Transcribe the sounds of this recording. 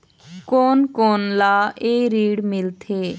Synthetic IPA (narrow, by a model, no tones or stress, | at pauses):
koːnkoːnlaːeːɾiːɽmɪlt̪ʰeː